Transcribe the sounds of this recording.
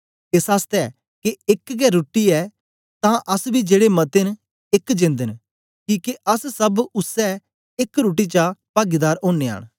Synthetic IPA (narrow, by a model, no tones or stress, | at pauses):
esaːst̪ɛɛ | keɪkɡɛɾoːʈːiɛ | t̪ãʔɐsbʱid͡ʒeːɽemɐt̪en | ɪkd͡ʒɪ̃nd̪ən | kiːkeʔɐssɐbʊsɛ | ɪkɾuːʈ̬it͡ʃapaːɡid̪aːɾõːnea̰ːɽ̃